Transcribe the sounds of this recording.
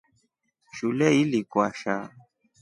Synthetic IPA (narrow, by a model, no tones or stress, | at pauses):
ʃulɛilikwaʃa